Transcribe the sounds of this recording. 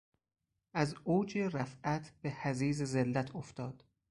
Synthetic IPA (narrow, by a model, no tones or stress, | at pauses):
ʔæzoːd͡ʒeɾæfæt̪ʰb̥ehæziːzezelːæt̪ʰoft̪ʰɒːd̪̥